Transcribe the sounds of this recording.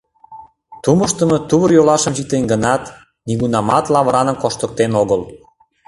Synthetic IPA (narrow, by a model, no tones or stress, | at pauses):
t̪uməʃt̪ə̆mɤ̆t̪uβəɾjolɑʃə̆mʒit̪enɡə̆nɑt̪ | niɣunɑmɑt̪lɑβɾɑnəmkoʃt̪ə̆k̚t̪enoɣəl